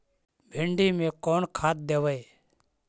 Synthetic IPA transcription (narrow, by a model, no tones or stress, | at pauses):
bʱɪ̃ɳɖiːmẽːkoːnkʰaːt̪̚d̪eːʋeː